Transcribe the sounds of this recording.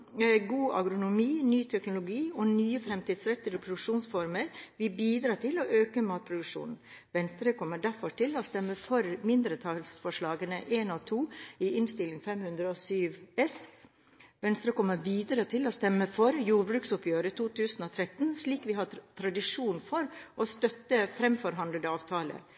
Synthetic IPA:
ɡuːʔɑ̰ɡɾʊnʊmiːnyːt̪ʰɛknʊlʊɡiːoːnyːəfɾɛmt̪iːd̪sɾɛt̪ːɪɾəpʰɾʊd̪ʉkʂuːnsfɔɾməɾʋɪbiːd̪ɾɑːt̪ʰɪloʔøːkəmɑːt̪̚pʰɾʊd̪ʉkʂṵːnn̩ | ʋɛnst̪ɾəkʰɔmːəɖæfɔʈʰɪloːst̪ɛmːəfɔɾmɪnd̪ɾət̪ʰɑlsfɔʂɭɑːɡənəʔeːnoːt̪ʰuːiʔɪnst̪ɪlːɪŋfɛmhʉnd̪ɾəɔsyːʋɛs | ʋɛnst̪ɾəkʰɔmːəɾʋiːd̪əɾət̪ʰɪlost̪ɛmːəfɔɾjuːɾbɾʉːksʊpʰjøːɾət̪uːt̪ʰʉːsn̩oːt̪ʰɾɛt̪nsɭiːkʋɪɦɑt̪ʰɾɑd̪ɪʂuːnfɔɾʔost̪œt̪ːəfɾɛmfɔɾɦɑnd̪ld̪əɑːʋt̪ʰɑːlə̰

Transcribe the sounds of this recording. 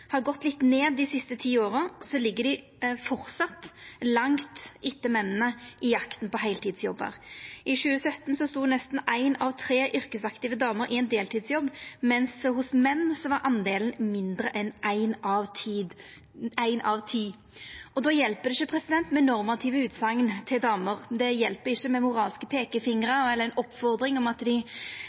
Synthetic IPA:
hɑʁɡɔt̪ːlɪt̪neːd̪ːɪsɪst̪ət̪ʰiːoːʁsɔlɪɡːədɖ̪ɪ | fɔɾt̪sɑt̪ːlɑŋt̪ɪt̪ːəmɛnənəʔɪjɑkt̪npɔɦæɪlt̪iːd̪sjɔbːæ̰ːʁʔɪʃʉːəsœt̪n̩sɔst̪uːnɛst̪n̩æɪnɑʋt̪ʰɾeːʔʏʁkəsɑkt̪ɪʋəd̪ɑːməɾʔɪɛɪnd̪eːlt̪ʰiːd̪sjɔbːmɛnshʊsmɛnːsɔʋɑɾʔɑnd̪eːlən̩mɪnd̪ɾəʔɛnʔæɪnɑʋt̪ʰiːd̪ | æɪnʔɑʋt̪ʰiː | ʔɔd̪oːjɛlpəd̪ɪʃːəpʰʁɛsɪd̪ɛnt̪mɛnɔʁmɑt̪ʰiːʋəʉːt̪sɑŋːnt̪ʰɪld̪ɑːməʁd̪ɛjɛlpəɪçːəmɛmʊʁɑːlskəpʰeːkəfɪŋʁəɛlːəʁɛnɔpːfɔʁd̪ɾɪŋɔmɑt̪d̪ɪ

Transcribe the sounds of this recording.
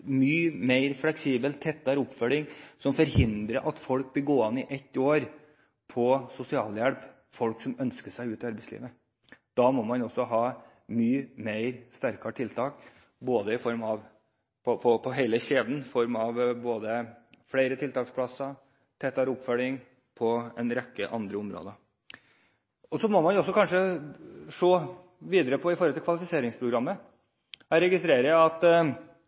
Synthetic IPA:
myːmeɪɾflɛksiːbəlt̪ʰɛt̪ːɑɾʊpfœlɪŋsɔmfɔɾhɪnd̪ɾəʔɑt̪fɔlk̚bɪlɡoːɑnɪʔɛt̪ːoːɾ | pʰɔsʊsɪɑ̰ːljæɽp | fɔlksɔmœnskəʂæɪʉːt̪ɪɑɾbɛɪslḭːʋə | d̪̥ɑːmɔmɑnɔsːɔɦɑː | myːmeɪɾst̪æɾkɑʈ̪ʰɪlt̪ʰɑːk | boːd̪əɪfɔɾmɑʋ | pʰɔpʰɔpʰɔɦæɪləɕeːd̪n̩fɔɾmɑʋboːd̪əfɽæɪɾət̪ʰɪlt̪ʰɑːkspʰlɑsɑ | t̪ʰɛt̪ɑɾʊpfœlɪŋ | pʰɔɛnɾɛkːə̰ʔɑ̰nd̪ɾəʊmɾo̰ːd̪ə | ɔsɔmɔmɑnɔsːɔkʰɑnʂə | ʂoː | ʋiːd̪əɾəpʰɔɪfɔɾɔt̪ʰɪkʰʋɑlɪfɪseːɾɪŋspʰɾʊɡɾɑmːə | æɾɛɡɪst̪ɾeːɾəɑt̪

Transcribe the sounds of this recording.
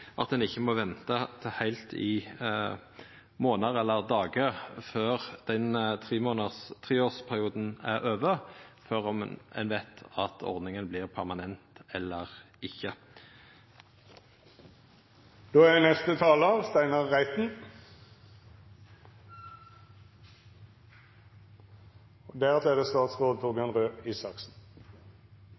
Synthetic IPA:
ʔɑ̰t̪̚d̪ɛnɪçːəmoːʋɛnt̪ət̪ʰhæɪlt̪ʰɪ | moːnəʁɛlːəʁd̪ɑːɡəføːʁd̪̥ɛnt̪ʰʁiːmoːnət̪ʰʁiːoːspʰæɾɪuːd̪n̩æʁøːʋəføːʁɔmɛ̰nʋæɪt̪ʰɑt̪ʰɔ̰ʁd̪nɪŋənblɪːʁpʰæʁmɑnɛnt̪ɛlːəʁ | ɪçːə | d̪̥oːænɛst̪ət̪ʰɑːləɑʋst̪æɪnɑʁːæɪt̪n̩ | d̪æːʁɑt̪ʰleːd̪əst̪ɑːt̪sʁoːd̪̚t̪ʰʊɾbɪɑnʁøːiːsɑksn̩

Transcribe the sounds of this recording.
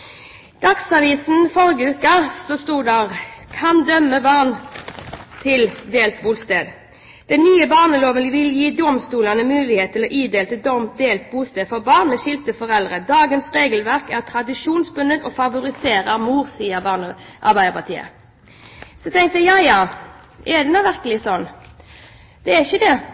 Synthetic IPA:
d̪̥ɑksɑʋiːsn̩fɔɾɡəʉːkəsɔst̪uːɖ̪æʁkʰɑnd̪œmːəbɑʁn | t̪ʰɪld̪eːlt̪buːlst̪eːd̪ | d̪̥ɛnnːyːəbɑːʁnəloːʋənʋɪljiːd̪ʊmst̪uːlɑnəmʉːlɪheːt̪ʰːɪlɔːʔiːd̪eːlt̪əd̪ɔmt̪̚d̪eːlt̪̚buːst̪eːd̪fɔʁbɑːʁnəʃɪlt̪əfɔʁɛld̪ʁəd̪ɑːɡənsʁeːɡəlʋæʁkæʁt̪ʰʁɑd̪ɪʂuːnsbʉnət̪ɔfɑʋʊɾɪseːɾəʁmuːʁsiːəbɑʁnəʔɑʁbæɪəʁpɑt̪ʰḭːə̰ | sɔt̪ʰɛŋkt̪jæjɑjɑː | ɛd̪ɛnɔʋæʁkəlɪsɔnː | d̪̥ɛæɪçəd̪ɛ

